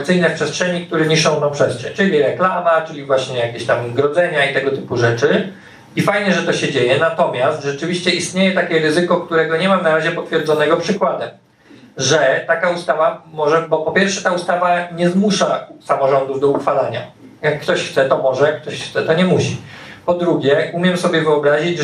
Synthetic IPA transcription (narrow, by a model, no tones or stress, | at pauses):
kt̪sɘjnɛfpʂɛstʂɛɲik̚t̪uɾɛɲiʂɔ̃d̪ɔ̃pʂɛst̪ʂɛ̰ɲt͡ʂɘlʲiɾɛklamat͡ʂɘlʲivwaɕɲɛjakʲeɕt̪amɡɾɔd̪zɛɲait̪ɛɡɔt̪ɘpuʐɛt͡ʂɘ | ifajɲɛʐɛt̪ɔɕɛd͡ʑejɛnat̪ɔmʲjast̪ʐɛt͡ʂɘvʲiɕt͡ɕɛist̪ɲejɛt̪akʲɛɾɘzɘkɔkt̪uɾɛɡɔɲɛmanaɾaʑɛpɔt̪fʲjɛɾd̪zɔnɛɡɔpʂɘkwad̪ɛm | ʐɛt̪akaust̪avamɔʐɛbɔpɔpʲjɛɾfʂɛt̪aust̪avaɲɛzmuʂasamɔʐɔnd̪uvd̪ɔuxfalaɲa̰ | jakːt̪ɔɕxt̪sɛt̪ɔmɔʐɛjak̚ːt̪ɔɕxt̪sɛt̪ɔɲɛmuɕipɔd̪ɾuɡʲjɛʔumʲjɛmsɔbʲjɛvɘɔbɾaʑid͡ʑ